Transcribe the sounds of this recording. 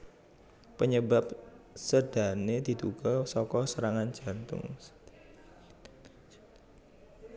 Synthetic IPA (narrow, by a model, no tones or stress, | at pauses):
pəɲəbap̚səd̪̥a̤ned̪̥i̤d̪uɡ̥ɔsɔkɔsəɾaŋan̥d͡ʒ̥a̤nt̪ʊ̰ŋ